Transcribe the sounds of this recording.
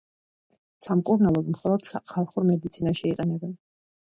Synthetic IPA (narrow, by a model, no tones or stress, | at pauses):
samkʼuɾnɛlˠɔd̪mχɔlˠɔd̪̥saχʰalˠχuɾmɛd̪it̪sʰinaʃiiqʼɛnɛbɛn